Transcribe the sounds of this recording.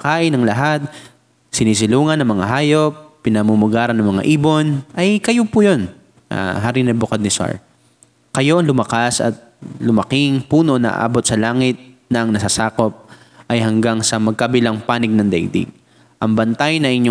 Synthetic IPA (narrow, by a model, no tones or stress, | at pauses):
kaːʔɪnɐŋlɐɦat̪̚ | sɪniːs̬ɪluːŋɐnːɐŋmɐŋaɦaːjo̞pːɪnɐmumʊɡaːɾɐnːɐŋmɐŋa̰ʔiːbo̞nʔɐjkɐjopujo̞n | a̰ɦaɾinɐbʊkɐd̪̚nɪsa̰ɹ | kɐjo̞ʔŋlʊmɐkasɐ̰t̪̚lʊmɐkɪŋpuːno̞nɐ̰ʔɐ̰ʔa̰ːbo̞t̪̚sɐlaːŋɪt̪̚nɐʔɐŋnɐsasaːko̞p̚ | ʔɐjhɐŋɡaŋsɐmɐɡ̚kɐbɪlaŋpaːnɪɡ̚nɐŋd̪ɛ̰jd̪ḭ | ʔɐŋbɐnt̪ajnɐʔɪɲɲo